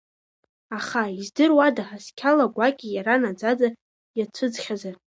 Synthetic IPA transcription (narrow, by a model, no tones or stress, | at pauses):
aχaizdɨrwadaħaskʲʰalaɡʷakʲʼijaɾanad͡zad͡za | jat͡sʷʰɨd͡zχʲazar